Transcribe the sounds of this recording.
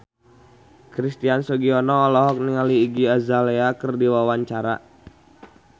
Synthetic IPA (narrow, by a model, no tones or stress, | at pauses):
kɾist̪iansɔɡiɔnɔːlɔɦɔk̚niŋaliːɡiazaleakərdiwawaɲt͡ʃaɾa̰